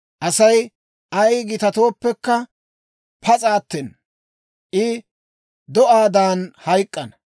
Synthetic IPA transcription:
ʔɐsɐj | ʔɐjɡɪt̪ɐt̪o̞ːpːɛkːɐ | pʰɐt͡sʼaːt̪ːɛn | ʔɪ | d̪ɔʔaːd̪aːnhɐjkʼːɐnɐ

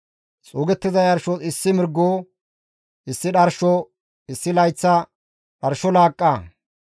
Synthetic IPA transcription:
t͡sʼoːɡɛt̪ːɪzɐjɐɾʃɔɪsːɪmɪɾɡːoː | ʔɪsːɪɗɐɾʃɔ | ɪsːɪlɐjt͡sːɐ | ɗɐɾʃɔlaːkʼːa

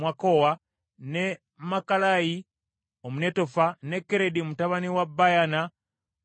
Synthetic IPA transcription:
wakowa | ne | makalaji | omune̞to̞fane̞kːeɾediomutaβaniwabːajana

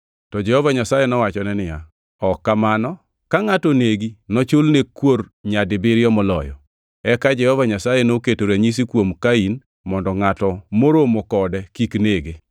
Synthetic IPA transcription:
tɔd͡ʒɛhɔvaɲasajɛnɔwat͡ʃɔnɛnɪja̰ | ɔkːamanɔ | kaŋatoneɡinɔt͡ʃolnekworɲadɪbɪɾɪɔmɔlɔ̰jɔ̰ | ɛkad͡ʒɛhɔvaɲasajenoketoɾaɲis̬ikwomkain | mɔndɔŋatɔmoɾomokɔdɛkikneɡe

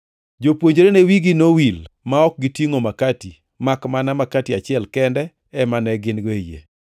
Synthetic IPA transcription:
d͡ʒopwoɲd͡ʒɾenewiɡinowilmaɔk̚ɡɪtjiŋomakati | makmanamakatiat͡ʃɪɛlkɛndɛ | ɛmanɛɡɪnɡoejḛ

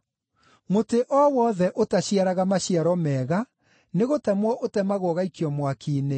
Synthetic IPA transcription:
moteʔɔwɔðɛʔotaɕjaɾaɣamaɕjaɾɔmɛːɣa | neɣotɛmwɔʔotɛmaɣoɔɣaikiɔmwakʰiːne

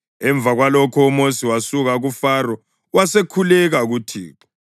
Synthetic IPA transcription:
ɛɱb̪vʱaɣwalɔkʰɔumosiwasuɣaɣufarɔ | wasekʰulɛɣaɣutʰḭːǁɔ̥

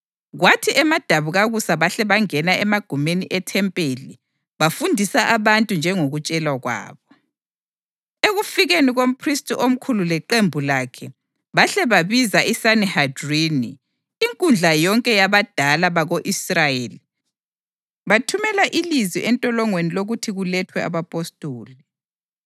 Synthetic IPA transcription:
ɣwatʰiʔɛmad̥ʱaβuɣaɣusaβaɬɛβaŋɛnaɛmaɡ̥ʱumeniʔɛtʰɛmpʼeli | βafundʱisaʔaβantʼund͡ʒʱɛŋoɣut͡ʃʼɛlwaɣwa̰ːβɔ | eɣufiɣeniɣom̩pʰristʼiʔom̩kʰululɛǃembʱulakʰɛ | βaɬɛβaβizaʔisanɛhadriniː | ŋkʼund͡ɮʱajɔŋkʼɛjaβad̥ʱalaβaɣoʔisrajeli | βatʰumɛlaʔiliziʔɛntʼɔlɔŋweniloɣutʰiɣulɛtʰwɛa̰βapʼostʼoːlɛ

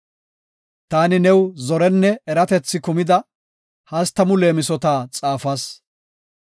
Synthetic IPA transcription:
t̪aːnɪnɛwzɔɾɛnːɛɛɾɐt̪ɛt͡sːɪkʊmɪd̪ɐ | hɐst̪ːɐmʊle̞ːmɪsɔt̪aːt͡sʼaːfɐs

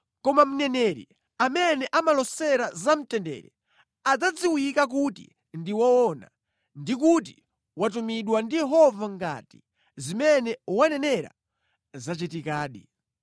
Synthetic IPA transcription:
kɔmam̩nɛnɛɾḭ | amɛnɛʔamalɔsɛɾazam̩tɛndɛ̰ːɾɛ | ad͡zad͡ziwikak̬utḭ | ndiwaɔna̰ | ndik̬ut̬i | wat̬umiɗwandijɛɦɔvaŋɡa̰ti̥ | zimɛnɛwanɛnɛɾa̰ | zat͡ʃitikaːɗḭ

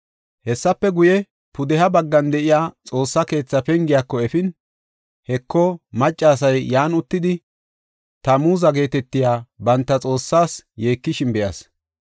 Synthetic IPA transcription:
hɛsːɐpːɛɡʊjɛ | pʊd̪ɛhɐbɐɡːɐnd̪ɛʔɪjaːt͡sʼo̞ːsːɐke̞ːt͡sːɐpɛŋɡɪjaːkːɔɛfɪn | hɛkːɔmɐt͡ʃʼːaːsɐjːaːnʊt̪ːɪd̪ɪ | t̪ɐmuːzɐɡe̞ːt̪ɛt̪ːɪjaːbɐnt̪ːɐt͡sʼo̞ːsːaːsje̞ːkːɪʃɪnbɛjɐ̰s

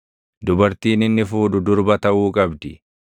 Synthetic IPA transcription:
d̪ʊbɐɾt̪iːnɪnːɪfuːᶑʊd̪ʊɾbɐt̪ɐʔuːkʼɐbd̪ɪ

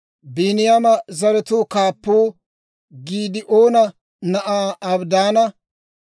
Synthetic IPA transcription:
biːnɪjamɐzɐɾɛt̪uːkaːpːuː | ɡiːd̪ɪʔoːnɐ | nɐʔaːɐbd̪aːnɐ

